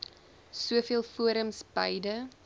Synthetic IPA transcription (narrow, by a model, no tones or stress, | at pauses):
suəfiəlˠfuəɾəmsbɐjdə